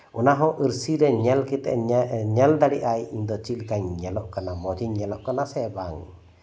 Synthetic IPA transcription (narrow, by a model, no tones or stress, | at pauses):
ɔnaɦɔʔəɾsiɾɛɲɛlkit̪ɛ̰ʔɲɛld̪aɽiʔajind̪ɔt͡ʃilkaɲːɛlɔʔkanamɔd͡ʒiɲːɛlɔʔkanasɛbaŋ